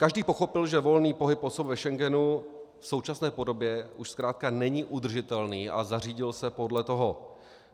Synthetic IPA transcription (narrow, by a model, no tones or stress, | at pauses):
kaʒdiːpo̞xo̞pɪlʒɛvo̞lniːpo̞ɦɪpʔosobvɛʃɛŋɡɛnu | fso̞wt͡ʃasnɛːpo̞do̞bjɛʔuʃskɾaːt̪̚kanɛɲɪʔud̪r̩ʒɪt̪ɛlniːʔa̰zar̝iːɟɪlsɛpo̞dlɛt̪o̞ɦo